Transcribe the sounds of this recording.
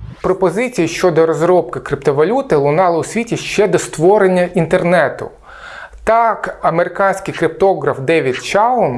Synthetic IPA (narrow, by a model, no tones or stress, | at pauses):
pɾɔpɔzɪt͡sʲijiʃt͡ʃɔd̪ɔɾɔzɾɔp̚kɪkɾɪpt̪ɔʋɐlʲut̪ɪlˠʊnɑlˠɐʊsʲʋʲitʲiʃt͡ʃɛd̪ɔst̪ʋɔɾenʲːɐʔint̪ernɛt̪ʊ̰ | t̪ɑkɐmeɾɪkɑnʲsʲkɪjkɾɪp̚t̪ɔɦɾɐfd̪ɛʋʲjɐtʲt͡ʃɑlɔm